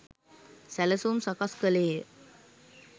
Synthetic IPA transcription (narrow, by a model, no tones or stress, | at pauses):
sæləsuːmsakaskəleː